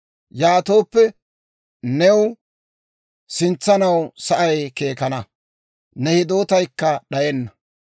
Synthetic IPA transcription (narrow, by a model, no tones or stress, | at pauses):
jaːt̪o̞ːpːɛ | nɛw | sɪnt͡sːɐnɐwsɐʔɐjke̞ːkɐnɐ | nɛhɪd̪o̞ːt̪ɐjkːɐɗɐjɛnːɐ